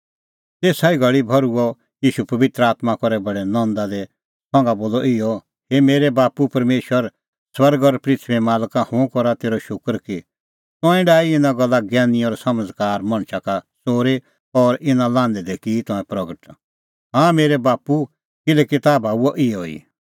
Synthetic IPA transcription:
t̪eːsaːiɡɐɭibʱɔɾuɔ | jiːʃupɐʋɪt̪ɾəaːt̪makɔɾɛbɐɽɛnɔ̃nd̪ad̪ɛ | t̪ʰɔ̃ːŋɡaboːlɔʔɪjɔ | hemeːɾɛbaːpupɐɾmeːʃwəɾ | swɐɾɡɔɾpɾɪt̪ʰʋɛmaːlkãhʊ̃kɔɾat̪eːɾɔʃʊkɾki | t̪ɔ̃ɛ̃ɖaːiɪnãɡɔlːaɡɛːniɔːɾsɐməd͡zkaːɾmɐ̃ɽ̃ʃakasoːɾe | ɔɾʔɪnãlãːnd̪ɛd̪ɛkit̪ɔ̃ɛ̃pɾɐɡəʈ | ɦãmeːɾɛbaːpu | kɪlɛkit̪aːbaːuɔʔɪjɔḭː

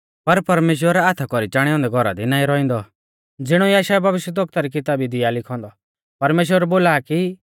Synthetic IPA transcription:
pɐɾpɐɾmeːʃ̬wəɾat̪ʰakɔɾit͡ʃaːɽ̃ɛɔ̃ːnd̪ɛɡʱɔɾa̰d̪inaːĩɾɔĩnd̪ɔ | d͡zɪɽ̃ɔiaːʃaːɛbʱɐʋɪʃjəd̪ɔk̚t̪aɾik̬ɪt̪aːbid̪ɪjalɪkʰɔ̃ːnd̪ɔ | pɐɾmeːʃ̬wəɾboːlaːki

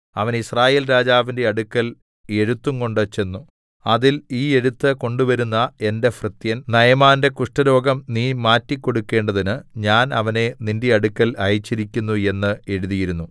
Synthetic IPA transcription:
ɐʋɐnisraːjeːlɾaːd͡ʑaːʋinde̞ɐɽukːɐl | e̞ɻut̪ːuŋko̞ɳɖot͡ɕːe̞nːu | ɐðiliːe̞ɻut̪ːɨko̞ɳɖuʋɐɾunːɐe̞nde̞frɨt̪jɐnnɐjɐmaːnde̞kuʂʈɐɾo̞ːɡɐmniːmaːtːikʲːo̞ɽukːe̞ːɳɖɐðinɨɲaːnɐʋɐne̞ninde̞ɐɽukːɐlɐjit͡ɕːiɾikʲːunːue̞nːɨe̞ɻuðijiɾunːu

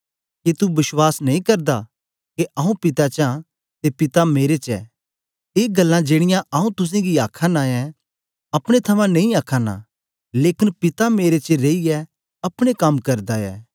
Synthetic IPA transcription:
ket̪ubɪswaːsnɐĩkɐɾd̪a | keʔɐːũpɪt̪at͡ʃã | t̪epɪt̪ameːɾet͡ʃɛ̰ | eːɡɐlːãd͡ʒeːɽ̃ɪjãʔɐːũt̪ʊs̬ẽɡiaːkʰaːnaɛ | ɐpɽ̃et̪ʰɐmãnɐ̃ĩaːkʰaːna̰ | leːkɪnpɪt̪ameːɾet͡ʃəɾeːiɛ | ɐpɽ̃ekɐmkɐɾd̪aɛ̰ː

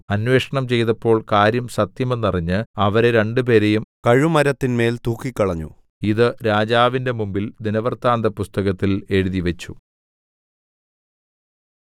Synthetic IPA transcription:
ɐnwe̞ːʂɐɳɐmt͡ɕe̞jt̪ɐpːo̞ːɭkaːɾjɐmsɐt̪jɐme̞nːɐriɲːɨɐʋɐɾe̞ɾe̞ɳɖɨp̬e̞ːɾejumkɐɻumɐɾɐt̪ːinme̞ːlt̪uːkːikʲːɐɭɐɲːṵ | iðɨɾaːd͡ʑaːʋinde̞mumbild̪inɐʋɐrt̪aːnd̪ɐpust̪ɐɣɐt̪ːile̞ɻuðiʋet͡ɕːu

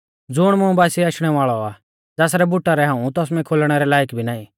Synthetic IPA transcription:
d͡zʊɽ̃mʊũbaːsiaːʃɽ̃ɛʋaːɭɔa | d͡zaːsɾɛbʊʈːaɾɛɦãːũt̪ɔːsmɛ̃kʰoːlɽ̃ɛɾɛlaːjkbʱinaːĩ

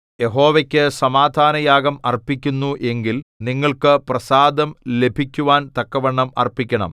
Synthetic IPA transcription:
je̞ɦo̞ːʋekʲːɨsɐmaːd̪ʱaːnɐjaːɡɐmɐrpːikʲːunːuʔe̞ŋɡilniŋːɐɭkɨprɐsaːd̪ɐmle̞bʱikʲːuʋaːnt̪ɐkːɐʋɐɳːɐmɐ̰rpːikʲːɐɳɐ̰m

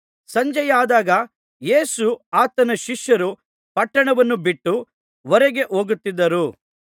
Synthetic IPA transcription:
sɐɲd͡ʒɐjaːd̪aːɡɐ | jeːsuaːt̪ɐnɐʃiʂjɐɾu | pɐʈːɐɳɐʋɐnːubiʈːu | ʋɔɾeɡe̞ʔo̞ːɡut̪ːid̪ːɐɾu

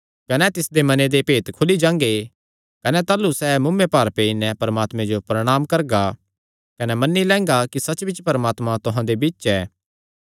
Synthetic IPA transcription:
kɐnɛt̪ɪsd̪emɐned̪epeːt̪kʰʊlid͡ʒãːŋɡe | kɐnɛt̪aːlusɛːmʊmːepaːɾpeːinɛ̃pɐɾmaːt̪mẽd͡ʒopɾɐɽ̃aːmkɐɾɡa | kɐnɛmɐnːilɛ̃ːŋɡakisɐt͡ʃbɪt͡ʃpɐɾmaːt̪mãt̪ʊɦãd̪ebiːʃɛː

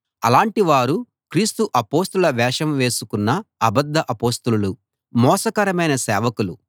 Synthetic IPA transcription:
ɐlaːɳʈiʋaːɾu | kɾiːst̪uʔɐpo̞ːst̪ulɐʋɛːʂɐmʋe̞ːsukunːɐɐbɐd̪ːɐʔɐpoːst̪ululu | mɔːsɐkɐɾɐmɐjnɐsɛːʋɐkulu

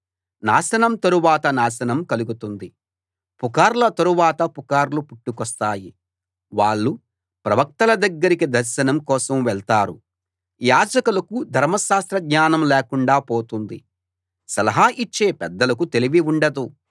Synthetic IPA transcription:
naːsɐnɐmt̪ɐɾuʋaːt̪ɐnaːʃɐnɐmkɐluɡut̪und̪i | pukaːɾlɐt̪ɐɾuʋaːt̪ɐpukaːɾlupuʈːukɔst̪aːji | ʋaːɭːu | pɾɐʋɐk̚t̪ɐlɐd̪ɐɡːɐɾikid̪ɐɾʃɐnɐmkɔːsɐmʋɛɭt̪aːɾu | jaːd͡ʒɐkulɐkud̪ʱɐɾmɐʃaːst̪ɾɐɡɲaːnɐmlɛːkuɳɖaːpoːt̪und̪ḭ | sɐlɐɦaːʔit͡ʃːe̞ːpɛd̪ːɐlɐkut̪eliʋiuɳɖɐd̪u

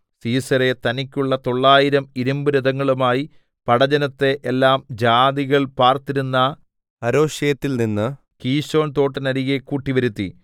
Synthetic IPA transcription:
siːsɐɾe̞t̪ɐnikʲːuɭːɐt̪o̞ɭːaːjiɾɐmiɾumbɨɾud̪ɐŋːɐɭumaːji | pɐɽɐd͡ʑɐnɐt̪ːe̞ʔelːaːmd͡ʑaːd̪iɣɐɭpaːrt̪iɾunːɐ | ɐɾo̞ːʂjɐjɐt̪ːilninːɨ | kiːɕo̞ːnt̪o̞ːʈːɐnɐɾiɣekːuːʈːiʋɐɾut̪ːḭ

